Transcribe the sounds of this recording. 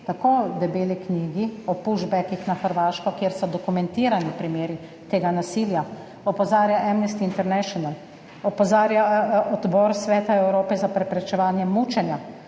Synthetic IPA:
t̪akoːd̪ɛbeːlikniːɡiɔpuʒbɛkixnaxəɾʋaːʃkɔkjeːɾsɔd̪ɔkumɛnt̪iːɾanipɾimeːɾi | t̪eːɡanasiːlja | ɔpɔzaːɾjaʔɛmnɛst̪iːnt̪ɛɾnɛʃɔnal | ɔpɔzaːɾjaɔd̪bɔɾsʋɛːt̪aɛwɾoːpɛzapɾɛpɾɛt͡ʃɛʋaːnjɛmuːt͡ʃɛnja

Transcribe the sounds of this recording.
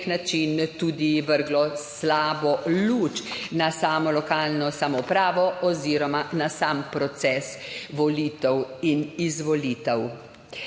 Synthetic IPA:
knat͡ʃint̪uːd̪iʋəɾɡlɔslaːbɔluːt͡ʃnasaːmɔlɔkaːlnɔsamɔpɾaːʋɔʔɔziːɾɔmanasaːmpɾɔt̪sɛːsʋɔliːt̪ɛwinizʋɔliːt̪ɛw

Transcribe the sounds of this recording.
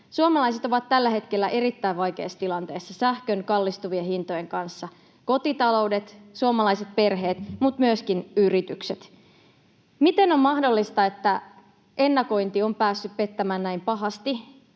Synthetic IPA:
suomɑlɑjse̞t̪oʋɑt̪t̪ːælːæhe̞t̪kelːæʔe̞ɾit̪ːæjʋɑjkeːsːt̪ilɑnt̪e̞ːsːɑsæhkønkɑlːist̪uʋiehint̪o̞jeŋkɑnsːɑ | ko̞t̪it̪ɑlo̞wde̞t̪suomɑlɑiset̪̚pe̞rɦe̞ːt̪mut̪myøskinyrit̪ykset̪ | mit̪e̞no̞mmɑhdo̞lːist̪ɑe̞t̪ːæ | ʔe̞nːɑko̞jnt̪io̞mpæːsːyppe̞t̪ːæmæːnnæimpɑɦɑst̪i

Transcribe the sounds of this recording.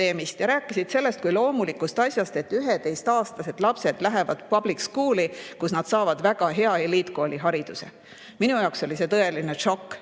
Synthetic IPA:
e̞ːmist̪jɑɾæːkːˑisid̪̥se̞lːe̞st̪kujlo̞ːmulikust̪ɑsʲjɑst̪e̞t̪ːˑyɦet̪ejst̪ɑːst̪ɑse̞d̪̥lɑpse̞d̪̥læɦe̞vɑd̪̥pɑblikskuːlikusnɑd̪̥sɑːvɑd̪̥væɡ̥ɑɦe̞ɑelit̪koːlʲiɦɑɾid̪̥use̞ | minujɑˑokso̞lise̞t̪ɤe̞line̞ʂo̞kː

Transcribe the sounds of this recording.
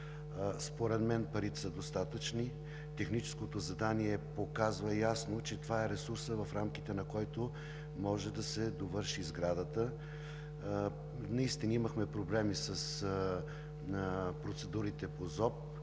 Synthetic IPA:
spoɾɛd̪mɛnpɐɾit̪ɛ̥səd̪ost̪at̪ət͡ʃni | t̪ɛxnit͡ʃɛ̥skot̪ozɐd̪aniɛpokazvəjasnot͡ʃɛt̪ovaɛɾɛsuɾsəvɐfɾamk̟it̪ɛnɐkɔjt̪o | mɔʒɛd̪ɐsɛd̪ovɤɾʃizɡɾad̪ət̪ə | nɐist̪inɐiməxmɛpɾoblɛmisɐs | pɾot̪sɛd̪uɾit̪ɛpozɔp̚

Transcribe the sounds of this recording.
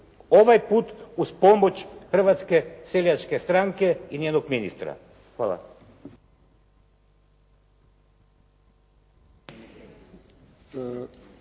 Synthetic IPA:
oʋajput̪uspomot͡ʃxr̩ʋat̪skeseljat͡ʃkɛst̪ɾaŋkeinenoɡminḭst̪ɾa̰ | xʋa̰ːlˠa̰

